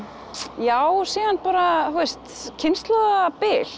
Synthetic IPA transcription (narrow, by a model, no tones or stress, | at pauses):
jaːwsiːðanpaːɾaθwɛst̪cʰɪnst̪lɔɣapɪːl